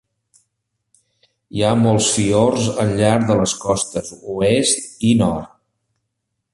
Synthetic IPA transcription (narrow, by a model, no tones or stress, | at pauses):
iamolˠsfiorzənʎaɾd̪ələskɔst̪əzuest̪inɔrt̪̚